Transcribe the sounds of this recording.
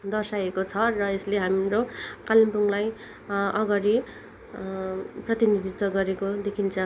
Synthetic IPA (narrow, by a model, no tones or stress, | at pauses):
d̪ʌrsajekot͡sʰʌrʌesleɦamrokalimpuŋlaj | ʔʌɡʌɾi | prʌt̪inid̪ʱit̪wʌɡʌɾekod̪ekʰint͡sʰʌ